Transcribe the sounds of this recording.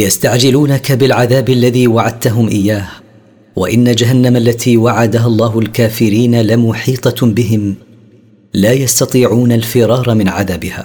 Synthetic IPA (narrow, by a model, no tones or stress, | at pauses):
jast̪aʕd͡ʒɪluːnakabɪlʕaðaːbalːaðiːwaʕad̪̚t̪aɦʊmʔɪjːaːh | wa̰ʔɪnːad͡ʒaɦanːamalːat̪ʰiːwaʕad̪aɦalˤːɑːɦʊlkaːfɪɾiːnalɪmʊħiːt̪ˤɑbɪɦɪm | laːjast̪ɑt̪ˤiːʕuːnalfɪɾˤɑːɾˤɑmɪnʕaðaːbɪha̰ː